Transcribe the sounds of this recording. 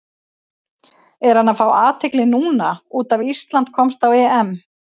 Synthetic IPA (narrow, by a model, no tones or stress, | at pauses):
ɛɾ̥hanːafɾaːwaːt̪ʰɪklɪnuːnauːt̪avist̪lant̪̚kʰɔmst̪awɛːɛm